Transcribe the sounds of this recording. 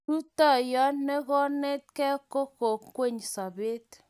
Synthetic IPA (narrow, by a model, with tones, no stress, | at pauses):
tu˦tɔ˦˨jɔ˦nne˦kɔ˦ne˦t̚kɛ˦ko˦ko˨kːwe˦˨ɲsa˨be˦t